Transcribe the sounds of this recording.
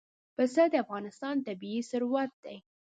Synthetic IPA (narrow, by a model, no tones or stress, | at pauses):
pəsəd̪əafɣɑnɪst̪ɑnt̪abiisʊɾwat̪̚d̪aj